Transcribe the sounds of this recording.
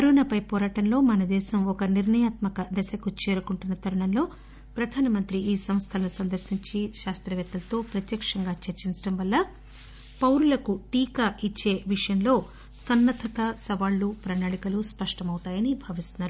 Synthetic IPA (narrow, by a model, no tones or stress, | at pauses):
ɐɾuːnɐpɐjpɔːɾaːʈɐnlo̞ːmɐnɐd̪ɛːʃɐmɔkɐniɾɳɐjaːt̪mɐkɐd̪ɛsɐkut͡ʃeːɾukuɳʈunːɐt̪ɐɾuɳɐmlo̞ː | pɾɐd̪ʱaːnɐmɐnt̪ɾiiːsɐmst̪ʰɐlɐnusɐnd̪ɐɾsiɲt͡ʃiʃaːst̪ɾɐʋɛːt̪ːɐlɐt̪o̞ːpɾɐt̪jɐkʂɐŋɡaːt͡ʃeɾt͡ʃiɲt͡ʃɐɽɐmʋɐlːɐ | pɐwɾulɐkut̪iːkɐʔit͡ʃːe̞ːʋiʂɐjɐmlo̞ː | sɐnːɐt̪ʰɐkɐsɐʋaːɭːupɾɐnaːɭikɐluspɐʂʈɐmɐwut̪aːjɐnibʱɐʋist̪unːaːɾu